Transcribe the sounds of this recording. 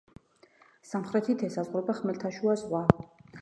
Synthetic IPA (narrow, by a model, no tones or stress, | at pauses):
samχɾɛt̪ʰit̪ʰɛsazʁɾɛbaχmɛlt̪ʰaʃuazʁwa